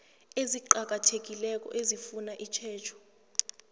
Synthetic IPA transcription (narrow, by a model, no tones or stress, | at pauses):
eziǃak̬atʰek̬ilɛk̬ɔ̰ʔezifunaʔit͡ʃʰɛːt͡ʃʰɔ̥